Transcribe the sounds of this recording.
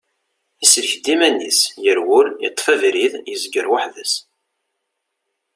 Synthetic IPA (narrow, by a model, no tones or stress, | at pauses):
æslçd̪imænːisjəɾwʊlit̪ˤːfævɾiðjəzɡəɾwaħðəs